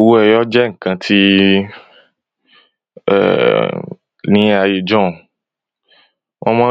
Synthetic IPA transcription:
wu˦ɛ˧jɔ˦d͡ʒɛ˦ŋ̩˨kã˧tʰi˦ | ɛ̰˨ | nĩ˦a˧je˨d͡ʒɔ̃˦˨ | wʔɔ̃˦mãː˦

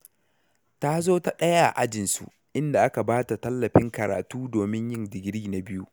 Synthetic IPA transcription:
ta˦zoː˦ta˦ɗɐ˦ja˦˨ʔa˦d͡ʒɪ˨nsṵ˨ | ʔɪ˦nda˨ʔa˦ka˨baː˦ta˨tɐ˦lːɐ˨ɸɪ˦ŋkɐ˨ɾa̰ː˨tuː˦doː˨mɪ˦ɲjɪ˦ndɪ˨ɡʲɽiː˦na˨bɪ˦ju˦

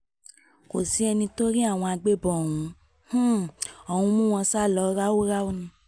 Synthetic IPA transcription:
ko˨si˨˦ɛ˧nĩ˧to˦ɾi˦a˦˨w̃ɔ̃˧a˧ɡ͡be˦bɔ˨o˨wũ˨˦ | h̩˦ɔ˨hũ˧mũ˦w̃ɔ̃˧sa˦˨lɔ˧˦ɾa˦wo˦ɾa˦o˦nũ˧

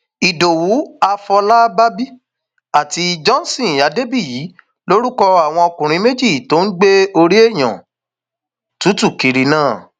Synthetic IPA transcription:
i˨do˨wu˨˦a˧fɔ˧la˦ba˦bi˦ | a˦˨ti˧d͡ʒɔ̃˦n˦˨sĩ˦˨ja˨˦de˦bi˦˨ji˨˦ | lo˦ɾu˦kɔ˧a˨w̃ɔ̃˧ɔ˧kũ˨ɾ̃ĩ˨˦me˦d͡ʒi˦˨to˨˦n̩˦ɡ͡be˦o˧ɾi˦e˦˨j̃ã̰˨ | tu˨˦tu˦˨ki˨ɾi˧˦nãː˦˨

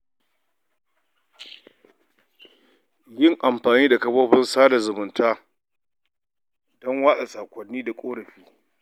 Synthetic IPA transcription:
jɪ˦˨ŋʔa˨mɸaː˨niː˦da˨kɐ˦boː˦ɸɪ˦nsaː˦da˨zʊ˨mʊ˨ntaː˦ | dɔ˦ŋwaː˦ɗa˨saː˨kʷʼɐ˨nːiː˦da˨kʷʼoː˦ɽɐ˨ɸiː˦

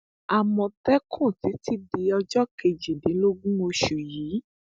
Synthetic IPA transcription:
a˨mɔ̃˧tɛ˦kʰũ˦˨ti˨˦ti˦di˧ɔ˧d͡ʒɔ˦ke˧d͡ʒi˨dĩ˨˦lo˦ɡũ˦o˧ʃu˨jiː˨˦

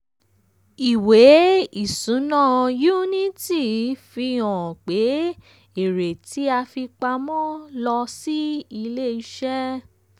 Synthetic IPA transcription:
i˨we˨˦i˦˨sũ˨˦nã˦˨ju˦nĩ˦ti˦˨fi˧ɔ̃˨k͡pe˨˦ | e˨ɾe˨ti˨˦a˧fi˧k͡pa˧mɔ̃˦lɔ˧si˦i˧le˦˨i˦ʃɛ˦

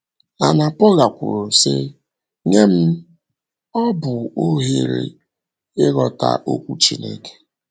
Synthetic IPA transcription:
a˨na˨pɔ˦ɣa˨kʷʊ̰˨ɾʊ˨sɪ˦ | ŋe˦m̩˦ | ɔ˦bʊ˨o˦ɦe˦ɾḛ˨ | ɪ˦ɣɔ˨ta̰˦ʔo˦kʷu˦t͡ʃi˦nḛ˦ke̥˦

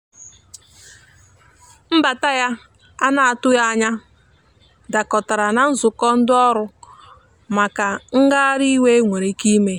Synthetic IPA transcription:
m̩˦ba˨ta˦ja˦ | a˦na˨a˨tʊ˦ja˦a˨ɲa˦ | da˨kɔ˨ta˨ɾa˨na˨n̩˦zʊ˨kɔ˦n̩˦dʊ˦ɔ˦ɾʊ˦ | ma˨ka˨ŋ̩˦ɡa˦a˦ɾi˦we˦ŋʷe˨ɾe˨ki˦me˦

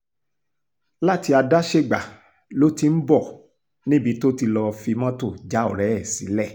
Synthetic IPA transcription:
la˦ti˧a˧da˦ʃe˦˨ɡ͡ba˨ | lo˦ti˧m̩˦bɔ˦˨ | nĩ˦bi˨˧to˦ti˧lɔ˧fi˧mã˦to˦˨d͡ʒa˨˦o̰˦˨ɾɛ˨˦ɛ˦˨sḭ˨˦lɛ˦˨

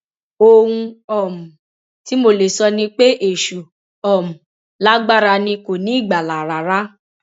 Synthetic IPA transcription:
o˧hũ˧ɔ˦˨mũ˨ | ti˨˦mo˧le˨sɔ˧nĩ˧k͡pe˦ʔe˨ʃu˨ | ɔ˨mũ˨ | la˦ɡ͡ba˦˨ɾa˧nĩ˧ko˨nĩ˨˦i˦˨ɡ͡ba˨la˨ɾa˨ɾa˦

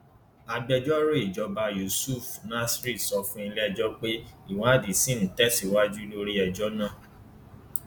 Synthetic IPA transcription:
a˧ɡ͡bɛ˧d͡ʒɔ˦ɾe˦i˦˨d͡ʒɔ˧˦ba˧ju˨su˦˨fnã˦sɾi˦˨sɔ˧fũ˦i˧lɛ˦˨d͡ʒɔ˦k͡pe˦i˦˨wa˦˨di˨sĩ˦n̩˨tɛ˦si˦wa˦d͡ʒu˦lo˦ɾi˦ɛ˧d͡ʒɔ˦nã˦˨

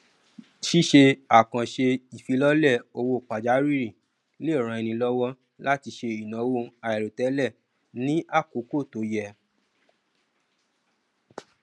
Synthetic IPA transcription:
ʃi˦ʃe˧a˨kã˨ʃe˧i˨fi˨˧˦lɔ˦lɛ˦˨o˧wo˧˨k͡pa˨d͡ʒa˨˦ɾi˦˨ɾĩ˨ | le˦˨ɾ̃ã˧i˧nĩ˧lɔ˦wɔ˦ | la˦ti˧ʃe˧i˨nã˨˦wo˧a˧jɛ˨ɾo˨tɛ˨˦lɛ˦˨ | nĩ˦ʔa˦˨ko˨˦ko˦˨to˨˦jɛ˧˨

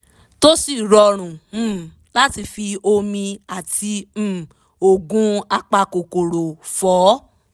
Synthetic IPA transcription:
to˦si˦˨ɾɔ˧ɾ̃ũ˨˦˨ | la˦ti˧fi˧o˧mĩ˧a˨tʰĩ˧˨ | o˨ɡũ˨˦a˧k͡pa˧ko˨ko˨ɾo˨fɔː˨˦

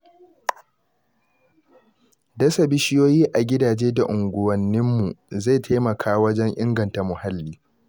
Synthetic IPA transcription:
dɐ˦sa˨bɪ˦ʃɪ˦joː˦jiː˦ʔa˨ɡʲɪ˦daː˨d͡ʒeː˦da˨ʔʊ˨ŋɡʷʊ˨wɐ˨nːɪ˦mːu˨za˦˨jtʰa˦jmɐ˨kʰaː˦wɐ˦d͡ʒɛ˦ŋʔɪ˦ŋɡɐ˨nta˨mʊ˨ha˦lːiː˦

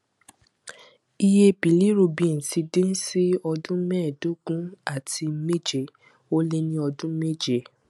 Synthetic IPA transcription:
i˧je˧bi˨li˦ɾo˧bĩ˨˦˨n̩˨si˧dĩ˦n̩˦si˦ɔ˧dũ˦mɛ̃ː˦˨do˦ɡũ˦a˦˨ti˧me˦d͡ʒe˦˨ | o˦le˦nĩ˦ɔ˧dũ˦me˦d͡ʒe˦˨

